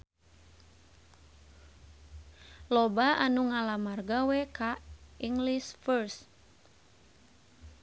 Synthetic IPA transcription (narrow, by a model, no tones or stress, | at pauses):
lɔbaanuŋalamarɡawɛkaiŋɡlisfərs